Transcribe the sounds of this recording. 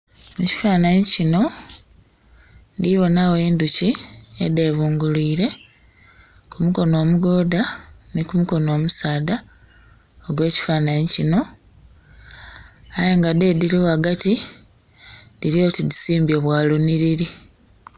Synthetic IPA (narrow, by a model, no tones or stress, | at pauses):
muci̥faːnaɲicino̞ | ndiβo̞nawe̞ːnduciede̞βuːŋɡuliːɾe̞ | kumuko̞no̞ːmuɡo̞ːdanikumuko̞no̞ːmusaːda | oɡwe̞ːci̥faːnaɲɲicino̞ | ajeŋɡade̞diɾiwaɡati | diɾjo̞ːtidisiːmbjo̞ːβwaːluniɾiɾi